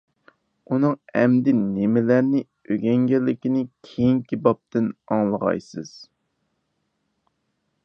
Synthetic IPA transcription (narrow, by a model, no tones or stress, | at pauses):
unɨŋɛmd̪ɪnːɪmɪlæɾnɪ | øɡʲɛŋɡʲɛlːɪkʲinɪkʲʰejiŋkʲibɑp̚t̪ɪnɑŋlˠəʁɑ̰jsɨz̥